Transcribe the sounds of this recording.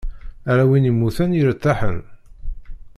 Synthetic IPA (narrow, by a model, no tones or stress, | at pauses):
æɾæwinimːuθæniɾət̪ːaħə̰n